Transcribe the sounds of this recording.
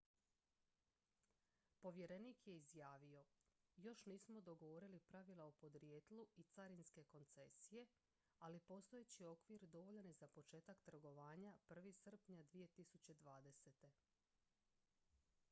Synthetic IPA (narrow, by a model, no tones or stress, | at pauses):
po̞ʋje̞ɾe̞niːkje̞izjaːʋio̞jo̞ʃniːsmo̞d̪o̞ɡoʋo̞ɾilipɾaʋilˠaupo̞d̪ɾje̞ːt̪lˠuit̪saɾinske̞ko̞nt̪se̞sije̞ | alipo̞st̪ojet͡ɕio̞kʋiɾd̪o̞ʋo̞ʎenezapo̞t͡ʃe̞ːt̪akt̪r̩ɡo̞ʋaːɲapr̩ʋisr̩pɲad̪ʋije̞t̪isut͡ɕe̞d̪ʋaːd̪e̞se̞t̪e̞